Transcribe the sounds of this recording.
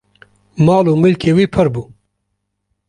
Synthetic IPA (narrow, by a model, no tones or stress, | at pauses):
mɑːluːmɪlkʰeːwiːpʰɨɾbuː